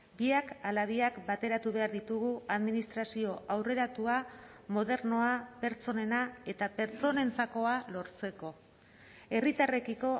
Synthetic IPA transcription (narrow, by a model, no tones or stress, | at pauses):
biakalaðiakbat̪e̞ɾat̪uβ̞e̞aɾðit̪uɣuaðminist̪ɾasio̞awre̞ɾat̪uamo̞ðe̞ɾno̞ape̞ɾt͡so̞ne̞nae̞t̪ape̞ɾt͡so̞ne̞nt͡sako̞alo̞ɾt͡se̞ko̞ | e̞rit̪are̞kiko̞